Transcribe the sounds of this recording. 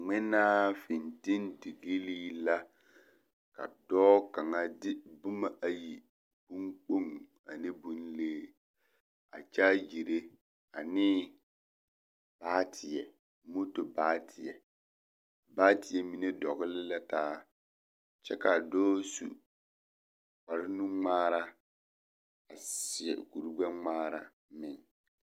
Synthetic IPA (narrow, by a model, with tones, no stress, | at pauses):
ŋ͡mɪ˦naː˦fɪ˨ntɪ˦ndɪ˨ɡi˦liː˦la˦ | ka̰˨dɔː˦ka˨ŋa˦dɪ˦bʊ˦ma˦ʔa˨ji˨ | b̥u˦ŋk͡po˦˨ŋ | a˨nɪ˦bu˦nleː˦ | a̰˨t͡ʃaː˦d͡ʒi˨ɾe˦ | a˨nɪ˦ | b̥aː˦tʰɪ˨ɛ˨ | mo˦to˨baː˦tʰɪ˨jɛ˨ | baː˦tɪ˨ɛ˦mi˨ne˦dɔ˨ɣɪ˦lɪ˦la˦taː˦ | t͡ʃɛ˦ka˨dɔː˦sṵ˨ | k͡pa˨ɾɪ˦nũ˦ŋ͡maː˦ɾa˦ | a˨sɪ˨ɛ̰˨ku˨ɾu˦ɡ͡bɛ˦ŋ͡maː˦ɾa˦ | mɪ˨ŋ